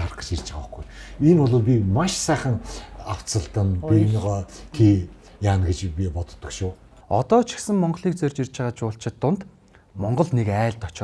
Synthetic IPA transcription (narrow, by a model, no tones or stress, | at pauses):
arχə̥̆t͡ɕirt͡ɕaə̆χɡujenɔɮʊːpʲimaʃsæːχə̆ŋaw̥t͡sə̆ɮt̪ə̆npʲinʁɔːkʰiː | jaːnɡet͡ɕpʲipɔt̪̆t̪ːɞ̆kʃʊː | ɔt̪ɔːt͡ɕʰĭ̥xsɘ̆ŋmɔɴɢ̆ɮiːk̚t͡sœrʲt͡ɕir̥ʲt͡ɕʁaːt͡ɕʊːɬt͡ɕʰɪ̆t̪ːʊnt̪ | mɔɴɢɞ̆ɮnekæːɮt̪ɔt͡ɕ̆